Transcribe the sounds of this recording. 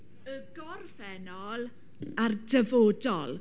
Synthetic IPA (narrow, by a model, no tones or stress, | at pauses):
əɡɔrfɛnɔlˠ | ardəvoːdɔlˠ